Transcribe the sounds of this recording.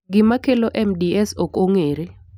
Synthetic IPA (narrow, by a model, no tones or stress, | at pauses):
ɡɪmakʰɛlɔʔɛmdiɛsokoŋeːɾi